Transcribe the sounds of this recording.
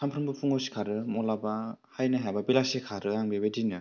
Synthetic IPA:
sʰampʰɾɯmbɯpʰuŋɔsi̥kʰaɾɯmɔlabahajnaɦajbabilasekʰaɾɯaŋbebedinɯ

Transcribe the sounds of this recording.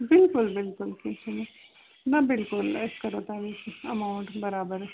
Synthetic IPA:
bɪlkʊlbɪlkʊlkesʰine | nɐbɪlkʊleskɐɾoːt̪aʋikɐmaʊɳʈbɐɾaːbəɾ

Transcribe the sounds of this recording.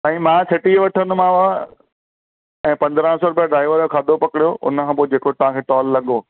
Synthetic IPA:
t̪ãːĩmãsɪʈiʋɐʈʰənʊ̆mãʋa | ɛ̃ːpɐ̃nd̪ɾə̃sɔːɾʊbijaɖɾaːɪʋəɾjokʰaːd̪ʱopɐkɪɽjoʔʊ̰nəkʰãpod͡ʑeːkot̪ɐʋ̤ãkʰeːʈɔːlːɐɠoː

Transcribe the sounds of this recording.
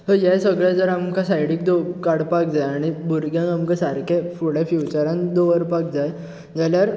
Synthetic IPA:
t̪əjajsəɡɭjad͡zəɾamkʰãsajɽik̚d̪okaɽpak̚d͡zajaɽ̃ibuɾɡjãŋɡamkãsaɾkʰẽfuɽefiwt͡ɕaɾãnd̪oʋəɾpak̚d͡zaj | d͡zaljaɾ

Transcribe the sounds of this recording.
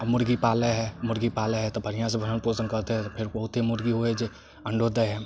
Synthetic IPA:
mʊɾɡipaːleɦɛmʊɾɡipaːleɦɛt̪obʱɐɾɪjãs̬ẽbʱəɾənpoːsənkɐɾt̪eɦɛ̃t̪opʰɪɾbɐɦʊt̪ɦimʊɾɡiɦoɛd͡ʒe | ɐ̃ɳɖod̪əɦɛː

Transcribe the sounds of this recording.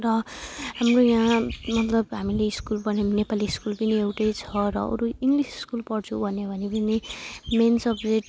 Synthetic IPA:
rʌɦamrojãmʌt̪lʌbɦamileiskulpʌnenepaliːskulpʌniewʈʌjt͡sʰʌɾʌ̰ʌ̰ɾuiŋɡlisi̥skulpʌɽt͡sʰubʱʌnebʱʌnepʌnimensʌpd͡zeʈ

